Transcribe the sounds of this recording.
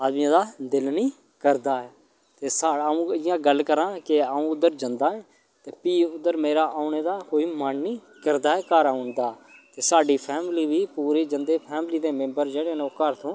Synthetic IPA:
aːd̪miãːd̪aːd̪ɪlnĩː | kəɾd̪aːɛː | t̪eːsaːũːɪjãːɡəlkəɾãːkɪaːũːʊd̪əɾd͡ʒə̃nd̪aːɛː | t̪eːpiːʊd̪əɾmeːɾaːʔaːʊneːd̪aːkoːiːmənnĩː | kəɾd̪aːɦɛːkaːɾaːɦʊ̃nd̪aːt̪eːsaːɖiːpʰɛːmliːʋiːpuːɾiːd͡ʒənd̪eːpʰɛːmliːd̪eːmẽmbəɾd͡ʒeːɽeːnoːkəɾt̪ʰõː

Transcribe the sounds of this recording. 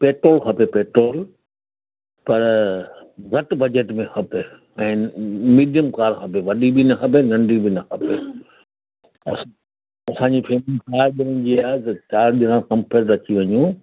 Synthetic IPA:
peːʈɾoːlkʰɐpepeːʈɾoːl | pɐɾ | ɣɐʈbɐd͡ʑeʈmẽxʰɐpe | ɛ̃ːmiːɗijəmkaːɾxʰɐpeʋɐɗibinɐxʰɐp̬enɐ̃ɳɖibʱinɐxʰɐpe | ɐ̰s | ɐsãːɲ̆d͡ʑipʰeːmikaːɾɗɪɾə̃nd͡ʑiaːɦet̪ɐt͡ɕaːɾɗɪɾãkɐ̃mpʰeɾʈɾɐt͡ɕʰiʋɐɲũ

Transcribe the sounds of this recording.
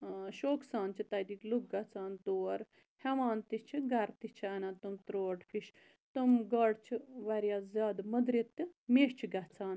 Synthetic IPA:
ʃoːksaːnt͡ʃit̪ɐd̪ikluk̚ɡɐt͡saːnt̪uɐɾ | heʋaːnt̪it͡ʃʰiɡɐɾt̪it͡ʃʰiɐnat̪umt̪ɾoːʈfʰiʃ | t̪umɡɐɽt͡ʃʰiʋɐɾjaːzʲaːd̪mɐd̪ɾit̪ːimeːʃt͡ʃʰiɡɐt͡saːn

